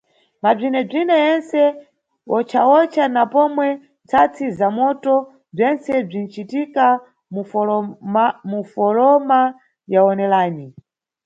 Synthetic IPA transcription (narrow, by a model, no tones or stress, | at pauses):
mab͡ʐinɛb͡ʐinɛjɛnsɛ | wɔt͡ʃʰawɔt͡ʃʰanapɔmwɛ | nt͡sʰat͡sʰizamɔtɔ | b͡ʐɛnsɛb͡ʐin̩t͡ʃitika | m | mufɔɾɔma | jaɔnɛlaːni